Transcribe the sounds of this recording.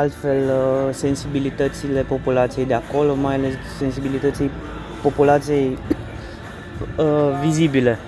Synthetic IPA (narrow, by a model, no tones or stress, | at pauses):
alt̪fe̞lse̞nsibilit̪ət̪sile̞po̞pulat̪sije̞jd̪e̞ako̞lo̞majale̞s | se̞nsibilit̪ət̪sij | po̞pulat̪sije̞j | vizibile̞